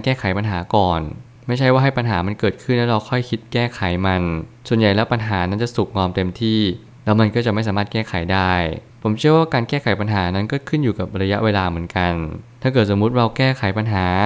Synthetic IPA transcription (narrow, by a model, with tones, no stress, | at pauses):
a˧nkɛː˥˩kʰa˨˩˦jpa˧nɦaː˩˦kɔː˨˩n | ma˥˩jt͡ɕʰa˥˩jwaː˥˩ɦa˥˩jpa˧nɦaː˩˦ma˧nkɤː˨˩t̪̚kʰɯ˥˩nlɛː˦˥ɾa˧wkʰɔ˥˩jkʰi˦˥t̪̚kɛː˥˩kʰa˨˩˦jma˧nsu˨˩ənja˨˩jlɛː˦˥wpa˧nɦaː˩˦na˦˥nt͡ɕa˨˩su˨˩k̚ŋɔː˧mt̪e˧mt̪ʰiː˥˩ | lɛː˦˥wma˧nkɔ˥˩t͡ɕa˨˩ʔma˥˩jsaː˨˦maː˥˩t̪̚kɛː˥˩kʰa˨˩˦jdaː˥˩j | pʰo˩˦mt͡ɕʰi˥˩əwaː˥˩kaː˧nkɛː˥˩kʰa˨˩˦jpa˧nɦaː˩˦˧na˦˥nkɔː˥˩kʰɯ˥˩njuː˨˩ka˨˩p̚ɾa˧ja˦˥ʔweː˧laː˧mɯ˩˦ənka˧nt̪ʰaː˥˩kɤː˨˩t̪̚so˩˦mːu˦˥t̪̚ɾa˧wkɛː˥˩kʰa˩˦jpa˧nɦaː˩˦